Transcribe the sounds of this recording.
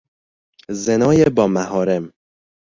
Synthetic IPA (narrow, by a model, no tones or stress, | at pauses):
zenɒːjebɒːmæɦɒːɾem